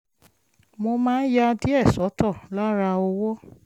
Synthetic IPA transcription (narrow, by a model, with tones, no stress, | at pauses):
mo˧mãː˦n̩˦ja˧di˦ɛ˦˨sɔ˨˦tɔ˦˨la˦ɾa˧ɔ˧wɔ˦